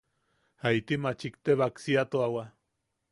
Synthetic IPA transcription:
hait̪imat͡ʃikt̪eβaksiat̪oawa

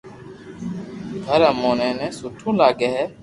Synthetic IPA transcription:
d̪ʱəɾəmoːnẽːnɛ̃ːsʊʈʰũːlaːɡeːɦɛː

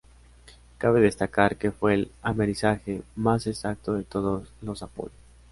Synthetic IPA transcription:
kaβe̞ðe̞st̪akaɾke̞fwe̞ːlameɾisaxe̞masesak̚t̪o̞ðe̞t̪o̞ðoslo̞sapo̞̰ʎos

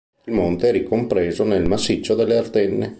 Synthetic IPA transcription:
ilmont̪eɛrikompɾeːzonelmasːit͡ʃːod̪elːeart̪enːe

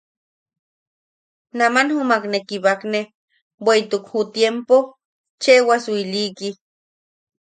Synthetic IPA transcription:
namanhumaknekiβakne | weit̪ukhut̪jempo | t͡ʃewaswiliki

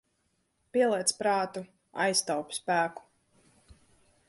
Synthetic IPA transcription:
piɛlˠɛt̪spɾɑːt̪u | a̰jst̪awpʲspæːku̥

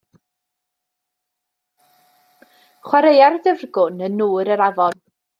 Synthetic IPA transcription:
χwaɾejarðɪvrɡʊnənːuːɾəɾavɔn

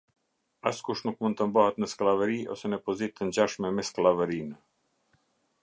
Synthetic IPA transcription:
askuʃnukmund̪t̪əmbahət̪nəsklavəɾiɔsɛnəpɔzit̪ːəɲd͡ʑaʃmɛmɛsklˠavəɾin

